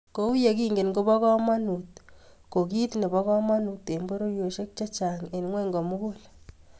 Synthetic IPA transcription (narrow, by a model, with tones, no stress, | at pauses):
ko˨u˦je˨ki˦ŋɡe˨nɡo˦bɔ˦kɔ˦ma˦nu˨t̪̚ko˨ki˦tne˨bɔ˦kɔ˦ma˦nu˨t̪ːe˨mbo˦ɾo˦je˨ʃe˦k̚t͡ʃa˦t͡ʃa˨ŋe˨nŋwɛ˦ŋɡɔ˨mu˦ko˦l